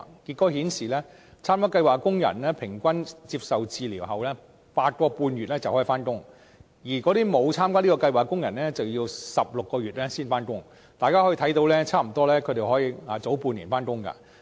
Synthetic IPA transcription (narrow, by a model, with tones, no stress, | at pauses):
ki˧t̚kːɔː˨˥hiː˨˥nsiː˨lɛ˥ | t͡sʰaː˥mkaː˥kɐ˧jwaː˨˩kkʊ˥ŋjɐ̰˨˩nlɛː˥pʰɪ˨˩ŋkʷɐ˥nt͡si˧p̚sɐ˨wt͡siː˧liː˨˩wɦɐ˨wlɛ˥ | paː˧t̚kɔː˧puː˧nɥyː˨t̚lɛː˥t͡sɐ˨whɔ˨˥i˨faː˥nkʊ˥ŋ | jiː˨˩kɔ˨˥ɾiː˥mo˨˧wt͡sʰaː˥mkaː˥liː˥kɔː˧kɐ˧jwaː˨˩kʊ˥ŋjɐ˨˩nlɛː˥t͡sɐ˨wjiː˧wsɐ˨p̚lʊ˨kːɔː˧ɥyː˨t̚lɛː˥siː˥nfaː˥nkʊ˥ŋ | t̪aː˨jkaː˥hɔ˦˥jt̪ʰɐ˨˥jt̪o˨˧wlɛː˥t͡sʰaː˥m̩˨˩t̪ɔː˥lɛː˥kʰɵ˨˧t̪e˨jhɔ˨˥jiː˧aː˨˧t͡so˨˥wpu˧nji˨˩nfaː˥nkʊ˥ŋkɐ̰˧˩